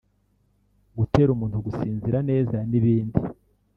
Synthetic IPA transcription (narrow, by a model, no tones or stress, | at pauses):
ɡute̞ɾumuːnthuɡusiːnziɾane̞ːzaniβiːndi